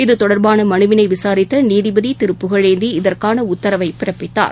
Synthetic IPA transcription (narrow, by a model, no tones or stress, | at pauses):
ɪðɯt̪ɔɽɐɾbaːnɐmɐnɯʋɪnɐɪʋɪsaːɾɪt̪ːɐniːðɪbɐðit̪ɪɾɯpːɯɣɐɻɐɪnd̪iɪðɐrkaːnɐʊt̪ːɐɾɐʋɐɪpɪɾɐpːɪt̪ːa̰ːɾ